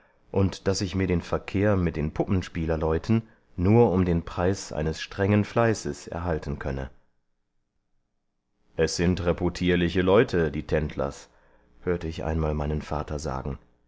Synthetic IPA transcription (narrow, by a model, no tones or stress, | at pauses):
ʔʊntd̥asɪçmiːɐdeːnfɛɐkʰeːɐmɪt̚d̥eːnpʰʊpn̩ʃpiːlɐlɔʏtʰn̩ː | uːɐʊmdeːnpʁ̥aɪsʔa̰ɪnəsʃtʁ̥ɛŋənflaɪsəsʔɛ̰ɐɦaltn̩kʰœnə | ʔɛsz̥ɪntʁɛpotʰiːɐlɪçəlɔʏtʰədiːtʰɛntʰlɐ̰s | høːɐtəɪçʔa̰ɪnmaːlmaɪnənfa̰ːtʰɐza̰ːɡŋ̩